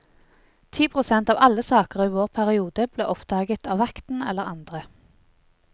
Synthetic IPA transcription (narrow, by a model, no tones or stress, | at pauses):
t̪ʰiːpʰʁʊsɛnt̪ɑːʋɑləsɑːkəʁiːʋoːʁpʰæʁɪuːd̪əb̥leːʔɔpd̪̥ɑːɡət̪ɑːʋɑkt̪n̩ɛ̰ləʁɑ̰nd̪ʁə